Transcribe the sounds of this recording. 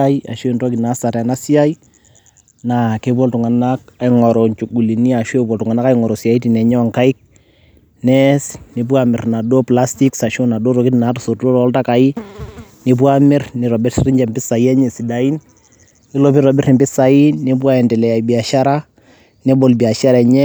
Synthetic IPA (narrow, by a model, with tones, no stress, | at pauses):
a˦ja̰˨ʃo˦i˨nto˦ki˨na˨˦sa˨ɾa˨na˦si˦a˦j | na˨ke˦pɔ˦ltʊ˨ŋa˨na˦k̚a˨ɪŋɔ˨ɾo˨nt͡ʃu˨ɡu˨li˨ni˦a˨ʃwe˦p̬ɔ˨ltʊ˨ŋa˨na˦ka˦jŋɔ˨ɾo˨sia˨i˦ti˨nɛ˨ɲɔ˦˨ŋka˦ɪ˦k̚ | nɛ˦snɪ˨p̬u˦a˦mɪ˨rna˨do˦pla˦sti˦ksa˨ʃo˦na˨do˦ɾo˨˦ki˦ti˨na˨˦tu˨su˨ro˦ɾɔɔ˦lta˦ka˨i˦nɪ˨p̬wa˦mɪ˦rnɪ˨ɾɔ˨bɪ˦rsrɪ˦ɲd͡ʒɛ˨mpɪ˦sa˨i˦ɛ˦ɲe˨si˨da˨i˦n | ɪ˦lo˨˦pi˦ɾɔ˨bɪ˦ɾɪ˨mbɪ˦sa˨i˦nɪ˦p̬wa˦ɛ˨ntɛ˨lɛ˨ja˨jbi˨a˨ʃa˦ɾa˦ | ne˦bo˨lbi˨a˨ʃa˦ɾɛ˨ɲɛ˦